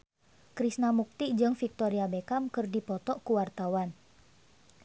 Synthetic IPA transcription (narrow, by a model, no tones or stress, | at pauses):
kɾisnamuk̚t̪id͡ʒɨŋfik̚t̪ɔɾiabekamkɨrdipɔt̪ɔʔkuwart̪awan